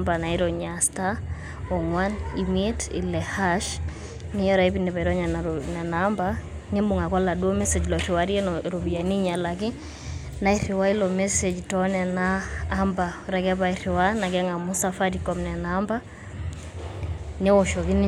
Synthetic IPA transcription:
mbanaiɾɔɲasta | ɔŋwanimitḭlɛhaʃ | nijɔɾaipinɛβaiɾɔɲananɛnaːmba | nɛmuŋakɔlaɗumɛsɛd͡ʒlɔɾiwaɾiɛnɔɾuβianiɲalaki | naiɾiwailɔmɛsɛd͡ʒtɔnɛnaːmbaɾakɛβaiɾiwanaɡɛŋamusafaɾikɔmnɛnaːmba | nɛwɔʃɔɣini

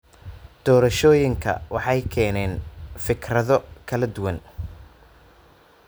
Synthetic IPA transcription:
d̪̥ɔːɾɐʃɔːjɪŋkʰɐ̰wɑħɑjkʰɛːnɛːnfɪkrɐðɔkʰɐlɐd̪ʊwɐn

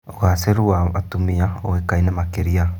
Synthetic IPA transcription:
oɣaseɾuaat̪umiaoekainamakeɾia

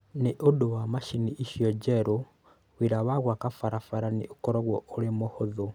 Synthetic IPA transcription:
niʔudowamaʃiniiʃjod͡ʒeɾo | ɣwiɾaβaɣwakafaɾafaɾaniukoɾoɣwɔuɾimohoðu

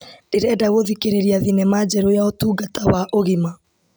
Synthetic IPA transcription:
d̥eɾɛːdaɣoðikeɾeɾiaðinɛmad͡ʑɛɾojaotuːɡatawaʔoɣima

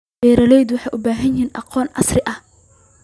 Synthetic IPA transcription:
bɛːɾɐlɛjðʊwɑħɑjʔʊbaːɦɐnjiːnʔɑ̰qɔːnʕɑ̰srɪʔɐh

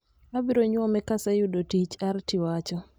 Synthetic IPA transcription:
abiɾoɲwɔmɛkasajudotit͡ʃartiwat͡ʃɔ

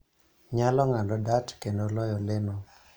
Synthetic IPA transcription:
ɲalɔŋandɔdatkendolɔjɔlenɔ

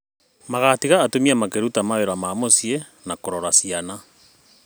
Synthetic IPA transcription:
maɣatiɣaːtomiamakeɾutamaeɾamaːmosie | nakoɾɔɾasiana

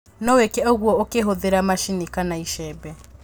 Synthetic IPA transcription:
nɔwekɛɔɣwɔokeɦoðeɾamaʃinikanaiʃɛbɛ

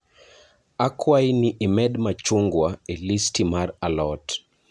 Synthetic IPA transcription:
akʰwainiʔimɛdmat͡ʃuŋɡwaelistimaɾalɔt

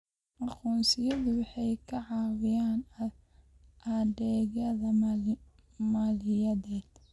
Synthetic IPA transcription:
ʔɑquːnsɪjɐðʊwɑħɑjkʰɐʕɑːwɪjaːn | ʔɐdɛːɣɐðɐ | maːlɪjɐðɛːd̪

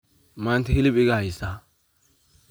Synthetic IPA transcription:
maːnt̪ɛhɪlɪbɪɡaːɪsaː

